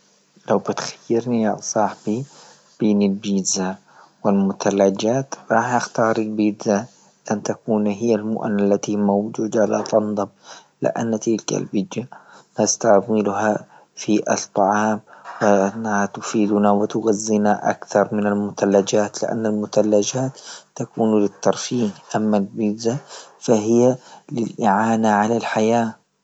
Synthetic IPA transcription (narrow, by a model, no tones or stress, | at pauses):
lawbɪt̪xḁjːɪɾnijasˤɑːħbi | b̥iːnɪlbiːza | wɪlmʊt̪alːad͡ʒaːt̪ɾˤɑːħʔaxt̪ɑːɾˤilbɪd̪a | ʔant̪akuːnɦɪjːalmʊ̰ʔanalːat̪imawd͡ʒuːd̪aʕalat̪ɑnd̪ˤɨm | lɪ̰ʔa̰nːt̪ɪlka̰lbɪd̪jamast̪aʕmɪlɦa | fiʔɑ̰t̪ˤːɑʕɑːmwɪanːahat̪ʊfiːd̪nawɪt̪ʊɣazːinaʔa̰kθɑɾˤmɪnalmʊt̪alːad͡ʒaːt̪lɪ̰ʔa̰nːalmʊt̪alːad͡ʒaːt̪ːakuːnlɪt̪ːɑɾˤfiːmʔamːalbɪd̪zafaɦɪjːalɪlʔɪʕaːnaʕalalħajaː